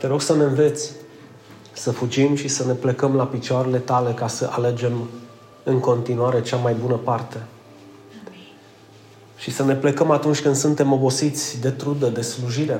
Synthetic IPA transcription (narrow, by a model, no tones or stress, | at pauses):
t̪e̞ɾo̞ɡsəne̞nve̞t̪sʲ | səfud͡ʒimʃisəne̞plekəmlapit͡ʃoaɾe̞le̞t̪ale̞kasəʔale̞d͡ʒe̞m | ɨŋko̞nt̪inuaɾe̞t͡ʃamajbunəpart̪e̞ | ʃisəne̞plekəmat̪unt͡ʃʲkɨnd̪sunt̪e̞mo̞bo̞sit̪sʲd̪e̞t̪ɾud̪əd̪e̞sluʒiɾe̞